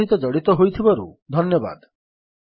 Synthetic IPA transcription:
ɦit̪ɔd͡ʒɔɽit̪ɔɦojt̪ʰibɔɾṵd̪ʱɔnjɔba̰d̪

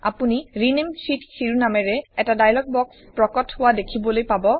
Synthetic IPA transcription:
a̰puniɹinemsitkʰiɹunamɛɹɛɛtadajlɔk̚bɔkspɹɔkɔtʰhʊwadekʰibɔlojpabɔ

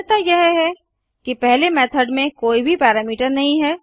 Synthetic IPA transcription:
t̪ajɛɦɦɛ | kipɛɦlemɛːt̪ʰəɖmẽkoːibʱipɛːɾaːmiːʈəɾnɐɦĩɦɛː

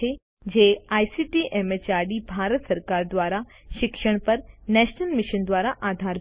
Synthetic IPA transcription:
e | d͡ʑeaːjsiʈiʔemet͡ɕaːɾɖibʱaːɾət̪səɾkaːɾd̪ʋaːɾa | ʃɪkʃəɽ̃pɐɾnɛːʃnəlmɪʃənd̪ʋaːɾaʔaːd̪ʱaːɾ

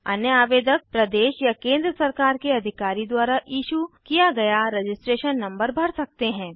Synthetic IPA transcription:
ɐ̰njəaːʋeːd̪ək̚pɾɐd̪eːʃjakẽːnd̪ɾəsɐɾkaːɾkeɐd̪ʱɪkaːɾid̪waːɾajiːʃukijaɡɐjaɾed͡ʒɪsʈɾeːʃənːɐ̃mbəɾbʱɐɾsɐk̚t̪eɦɛ̃ː

